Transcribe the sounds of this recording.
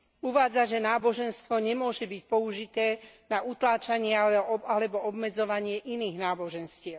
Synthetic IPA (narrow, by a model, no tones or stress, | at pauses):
uʋaːd͡zaʒɛnaːbɔʒɛnst̪ʋɔɲɛmʊɔʒɛbic̚pɔuʒit̪ɛːnaʔut̪laːt͡ʃaɲɪɛalɛbɔɔbmɛd͡zɔʋaɲɪɛʔiniːɣnaːbɔʒɛnscɪɛʊ